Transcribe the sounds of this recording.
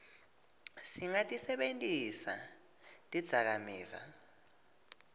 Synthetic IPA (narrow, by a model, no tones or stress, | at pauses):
siŋatʼisɛɓentʼisa̰ | tʼid̥z̥ʱak̬amɛːva̰